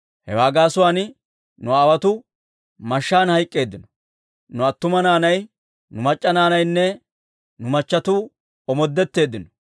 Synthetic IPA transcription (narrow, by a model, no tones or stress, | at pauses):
hɛ̰waːɡaːsʊwaːn | nʊaːwɐt̪ʊ | mɐʃːaːnhɐjkʼːe̞ːd̪ːɪnɔ̥ | nʊɐt̪ːʊmɐnaːnɐj | nʊmɐt͡ʃʼːɐnaːnɐjnːɛ | nʊmɐt͡ʃːɐt̪ʊ | ɔmɔd̪ːɛt̪ːe̞ːd̪ːɪnɔ̥